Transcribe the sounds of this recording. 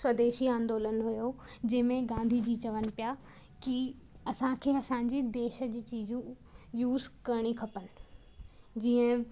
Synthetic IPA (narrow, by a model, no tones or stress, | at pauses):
swɐd̪eːʃiãːnd̪oːlənɦʊjod͡ʑɐ̃ɦɪmẽɡãːnd̪ʱid͡ʑiːt͡ɕɐʋənɪ̆pɪja | ki | ɐsãkʰeːɐsãːɲ̆d͡ʑid̪eːʃə̆d͡ʑiːt͡ɕiːd͡ʑũjuːzkɐɾɽ̃ikʰɐpənɪ̆ | d͡ʑiːə̃